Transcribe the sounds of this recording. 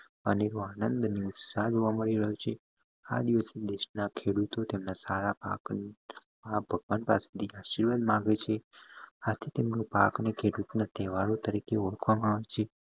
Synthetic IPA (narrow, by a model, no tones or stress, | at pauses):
əneɾoanənd̪niʊt̪saɦd͡ʒoʋaməɭiɾəɦjot͡ʃʰe | a̰d̪iʋəsed̪eʃnakʰeɽut̪ot̪emnasaɾapa̰k | pak̚bʱəɡʋanpase̥t̪ʰiaʃiɾʋad̪mãɡet͡ʃʰeat̪ʰit̪emnopa̰knekʰeɽut̪nat̪ɛʋaɾot̪əɾikeɔɭəkʰʋamãaʋet͡ʃʰe